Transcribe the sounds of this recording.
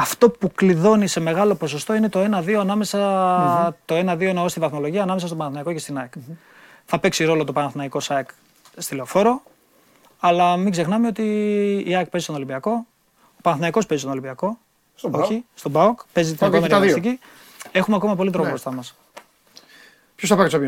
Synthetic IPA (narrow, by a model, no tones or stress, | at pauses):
ɐft̪o̞pukliðo̞nise̞me̞ɣɐlo̞po̞s̬o̞st̪o̞ine̞t̪o̞e̞nɐðio̞ɐnɐme̞sɐ | t̪o̞e̞nɐðio̞enɐost̪ivɐθmo̞lo̞ʝiɐːnɐmesst̪oɐnɐθnɐiko̞ce̞st̪inɐk | θɐpe̞ksiɾo̞lo̞t̪o̞pɐnɐθnɐiko̞sɐik | st̪ile̞ofo̞ɾo̞ | ɐlɐmiɡse̞xnɐmeo̞t̪iːɐk̚pzist̪onolimbiɐko̞ | opɐnɐθnɐiko̞spezist̪onolimbiɐko̞ | oçist̪obɐokpe̞zit̪ikomenist̪ici | e̞xumeɐko̞mɐpo̞lit̪ɾopost̪ɐmɐs | pçosɐpɐkso